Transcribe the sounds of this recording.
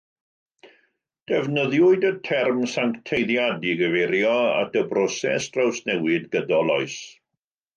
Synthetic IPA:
d̥ɛvnəðjʊɨdətʰɛrmsaŋktʰejðjadiɡəveɾjɔa̰təbrɔsɛ̰sd̥rawsnɛwɪdɡədɔlɔɨs

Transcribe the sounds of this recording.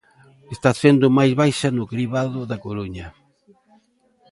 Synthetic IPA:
est̪aθend̪ʊmajzβajʃɐnʊkɾiβaðʊðakoɾuɲɐ

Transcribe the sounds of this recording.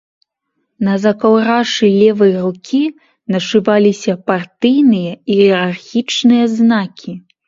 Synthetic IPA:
nɐzɐkawɾaʂɨlʲɛvɐjrukʲʰi | nɐʂɨvalʲisʲɐpart̪ɨjnɨjɐiɛɾarxʲit͡ʂnɨjɐznakʲʰi

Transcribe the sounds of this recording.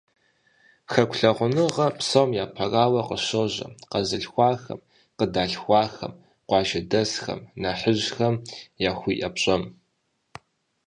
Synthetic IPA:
xɐkʷʰɬɐʁʷʊnɨʁɐpʰsomjaːpʰɐraːwɐqəɕoʑɐ̰qɐzɨɬxʷɑːxɐ̰m | qədaːɬxʷɑːxɐ̰m | qʷɑːʒɐdɐsxɐ̰mnaħəʑxɐmjaːxʷiːʔɐpɕʼɐm

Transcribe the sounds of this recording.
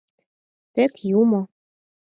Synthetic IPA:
t̪ɘ̆kjumo

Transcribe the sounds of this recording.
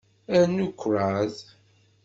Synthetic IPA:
æɾnukʷʰːɾað

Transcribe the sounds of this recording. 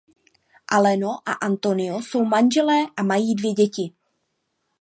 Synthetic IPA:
ʔalɛnoʔa̰ʔant̪o̞nɪoso̞wmanʒɛlɛːʔamajiːdvjɛɟɛcɪ

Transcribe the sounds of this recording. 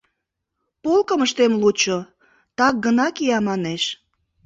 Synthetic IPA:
polkəməʃt̪emlut͡ɕo | t̪ɑk̚ɡənɑkiɑmɑneʃ

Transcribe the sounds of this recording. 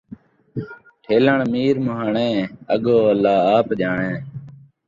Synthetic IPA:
ʈʰeːləɳmiːɾməɦaːɳẽːəɠoːəlːaːaːpʄaːɳẽː

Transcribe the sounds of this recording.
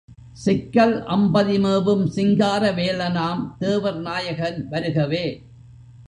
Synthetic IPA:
sɪkːɐlʔɐmbɐðɪmeːʋɯmsɪŋɡaːɾɐʋeːlɐnaːmt̪eːʋɐɾnaːjɐɣɐnʋɐɾɯɣɐʋeː

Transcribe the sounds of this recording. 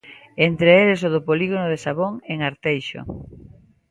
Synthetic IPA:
ent̪ɾeelesoðʊpoliɣonʊðesaβoŋeŋaɾt̪ejʃo̰

